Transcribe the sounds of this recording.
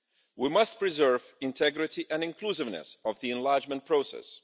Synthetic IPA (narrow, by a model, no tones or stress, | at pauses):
wimʌst̚pɹizɜɹvɪ̃ntʰɛɡɹɪtiʔɛ̃nɪ̃nklusɪvnɛ̰sɔvðiɛ̃nlaɹd͡ʒmə̃nt̚pʰɹoʊsɛ̰s